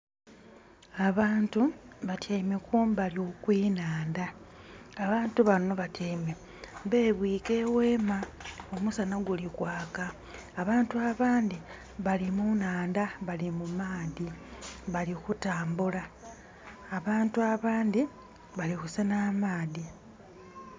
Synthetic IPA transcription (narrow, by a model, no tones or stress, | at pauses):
aβaːntuβatjamekuːmbaliokwiːnaːndaː | βaːntuβano̞βatame | βe̞ːβwiːke̞ːweːmaomusanaɡulikwaːkaː | βaːntuaβaːnd̪i | βalimunaːndaβalimumaːðiβalikutaːmbulaː | βaːntuaβaːnd̪i | βalixusanamaːði